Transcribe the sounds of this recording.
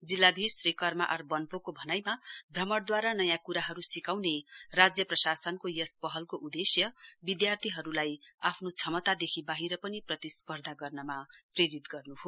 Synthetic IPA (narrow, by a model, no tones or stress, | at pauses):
d͡zilːad̪ʱisrekʌrma̰ʔʌrbʌnpokobʱʌnajmabʱrʌmʌɽd̪waɾanʌjãkuɾaɦʌɾusikawnerad͡zjʌprʌsasʌnkojʌspʌɦʌlkoʔud̪esjʌbid̪jart̪ʰiɦʌɾulajapʰnot͡sʰʌmʌt̪ad̪ekʰibaɦiɾʌpʌniprʌt̪ispʌrd̪ʱaɡʌrnʌmapreɾit̪ɡʌrnuɦo